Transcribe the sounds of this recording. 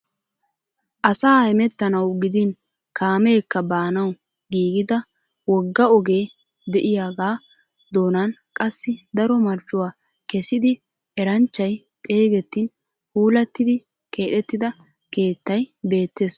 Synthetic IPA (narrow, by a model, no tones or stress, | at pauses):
ʔɐsaːɪmɛt̪ːɐnɐwɡɪd̪ɪn | kaːme̞ːkːɐbaːnɐw | ɡiːɡɪd̪ɐ | wɔɡːɐɔɡe̞ː | d̪ɛʔɪjaːɡaː | d̪o̞ːnɐnkʼɐsːɪd̪ɐɾɔmɐɾt͡ʃʼːʊwaː | kɛsɪd̪ɪ | ɛɾɐnt͡ʃːɐj | tʼe̞ːɡɛt̪ːɪn | huːlɐt̪ːɪd̪ɪ | ke̞ːt̪ɛt̪ːɪd̪ɐ | ke̞ːt̪ːɐjbe̞ːt̪ːe̞ːs